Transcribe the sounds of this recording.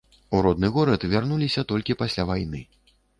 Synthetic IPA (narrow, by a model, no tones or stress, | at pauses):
uɾɔd̪nɨɣɔɾɐt̪vʲarnulʲisʲɐt̪ɔlʲkʲipasʲlʲavajnɨ̰